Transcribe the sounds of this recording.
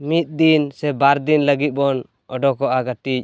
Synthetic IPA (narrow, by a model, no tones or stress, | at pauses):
mit̪̚d̪insɛbaɾd̪inləɡit̪̚bɔn | ɔɖɔkɔʔaɡaʈic̚